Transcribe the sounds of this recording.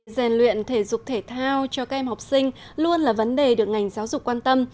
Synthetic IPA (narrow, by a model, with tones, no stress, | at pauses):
zɛ˨˩nlwḭ˧˨ənt̪ʰe˧˩zʊ˨˩k͡p̚t̪ʰe˧˩t̪ʰaː˧wt͡ɕɔ˧ka˦˥k̚ʔɛ˧mha˨˩wp̚sï˧ŋ̟ | lu˧ənlaː˨˩və˨˦nɗe˨˩ɗɨ˨˩ək̚ŋa˨˩jŋ̟zaː˨˦wzʊ˨˩k͡pkwaː˧nt̪ə˧m